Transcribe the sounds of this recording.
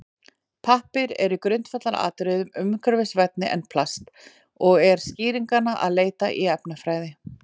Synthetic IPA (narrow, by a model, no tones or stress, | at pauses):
pʰahpɪɾɛ̰ɾʏkɾʏnt̪fat̪laɾa̰ːt̪ʏɾɪðʏmʏmkʰœɾvɪsvɛt̪̚nɪʔɛ̰npʰlast̪ | ɔɣɛɾ̥sciːɾiŋkanaʔa̰ðleːjt̪aʔiɛpnafɾaːjðɪ